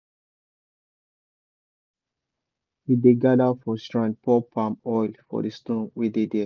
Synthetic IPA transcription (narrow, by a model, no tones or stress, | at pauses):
hideɡadafɔstɹãn̚pʰɔpʰãmɔjlfɔ̰destũnwidede